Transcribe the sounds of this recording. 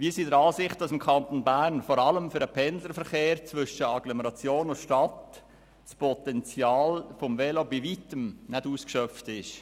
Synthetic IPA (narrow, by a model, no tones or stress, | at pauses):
ʋiːəsiːdəɾɑːsɪχtd̥ɑsɪmkʰɑnt̪onbæːɾnfɔɾɑləmfyɾəpʰɛnzəɾfəɾχeːɾt͡svʏʃəɑɡ̥lɔmɛɾɑt͡sjoːnʊʃtɑt | spʰɔt̪ɛnt͡sjɑːlfɔmvɛlobivitəmnɛduːskʃœftɪʃ